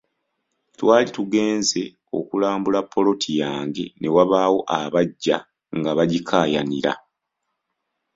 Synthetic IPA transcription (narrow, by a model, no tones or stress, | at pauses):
twaːlituɡe̞ːnze̞ | o̞̰kulaːmbulapʰːo̞lo̞tʰijaːŋɡe̞ne̞waβaːwo̞ʔaβaɟːa | ŋɡaβaɟikʰaːjaniɾa̰